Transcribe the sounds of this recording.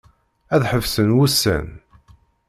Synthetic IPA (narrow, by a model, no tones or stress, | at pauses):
æðħəvsənwusːæ̰n